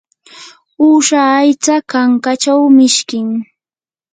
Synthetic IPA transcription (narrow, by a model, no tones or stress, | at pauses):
uːʃaːjt͡sakaŋkat͡ʃawmɪʃkɪŋ